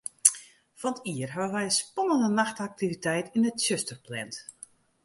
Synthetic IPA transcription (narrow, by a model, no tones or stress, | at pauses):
fɔntiərɦaʋəʋɛjəspɔnəndənaxtak̚tivitɛjtinətsøstərplɛnt